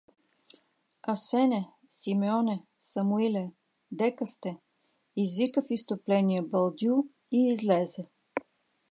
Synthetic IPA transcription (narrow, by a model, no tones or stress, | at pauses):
ɐsɛnɛ | simɛɔnɛ | sɐmuilɛ | d̪ɛkəst̪ɛ | izvikəfist̪oplɛniəbɐlˠd̪ju | iːzlɛzɛ